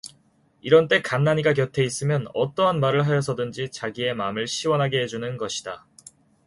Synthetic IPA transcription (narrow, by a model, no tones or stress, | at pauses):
iɾʌnt͈e̞kanːaɲiɡak̬jʌtʰe̞is͈ɯmjʌnʌt͈ʌɦanmaɾɯɭɦajʌs̬ʰʌdɯnd͡ʑit͡ɕaɡie̞mamɯɭɕʰiwʌnɦaɡe̞ɦe̞d͡ʑunɯnɡʌɕʰid̥a